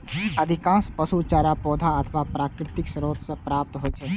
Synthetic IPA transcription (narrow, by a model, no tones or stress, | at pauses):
əd̪ʱikãːnspəsut͡ʃaːɾapɔːd̪ʱaɐt̪ʰʋapɾaːkɾɪt̪ɪksəɾoːt̪sẽpɾaːp̚t̪ɦot͡ʃʰɛ